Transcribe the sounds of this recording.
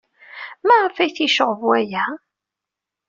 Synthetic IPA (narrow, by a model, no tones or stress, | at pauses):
mæʁafæjθiʃəʁvwæjæ